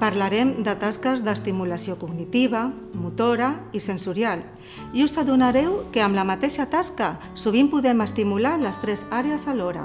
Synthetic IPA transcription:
paɾlaɾɛmd̪ət̪askəzðəst̪imulasiokuɡnit̪iβa | mut̪oɾaisənsuɾjal | iuzaðunaɾɛwkəəmlamat̪eʃat̪aska | suβ̞impuðɛməst̪imulaləst̪ɾɛzaɾeəzalɔɾa̰

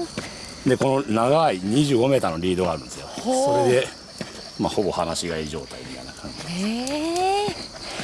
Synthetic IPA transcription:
d̪e̞ko̞no̞naɡaiɲ̟iʑɨːɡo̞me̞ːt̪anoɾʲiːd̪o̞ɡaːɾɯ̟nesɨjo̞so̞ɾe̞d̪e̞ | maho̞bo̞hanaɕiɡaiːʑo̞ːt̪aimʲit̪a̰ḭnakʰãɲd͡ʑid

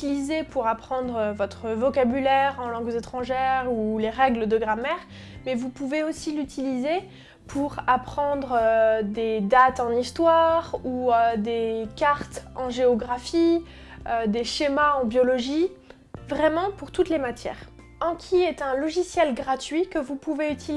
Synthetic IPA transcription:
ilizepuʁapχɑ̃d̪ʁøvɔt̪χəvɔkabylɛʁɑ̃lɑ̃ɡzet̪χɑ̃ʒɛʁuleʁɛɡləd̪əɡʁamɛʁ | mɛvupuveosilyt̪ʰilize | pʰuʁapχɑ̃d̪ʁød̪ed̪at̪ɑ̃nist̪waʁuød̪ekaʁt̪ɑ̃ʒeɔɡʁafi | ød̪eʃemaɑ̃bjɔlɔʒi | vʁɛmɑ̃puʁt̪ut̪lemat̪jɛ̰ːʁ | ɑ̃kʲʰiɛt̪ɛ̃lɔʒisjɛlɡʁat̪ɥikəvupuveyt̪ʰi

